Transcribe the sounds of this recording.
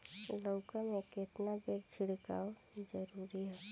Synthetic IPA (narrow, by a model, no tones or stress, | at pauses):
ləʊkameket̪nabekt͡ʃʰɪɽka̰ːo | d͡ʒəɾuːɾiɦɛ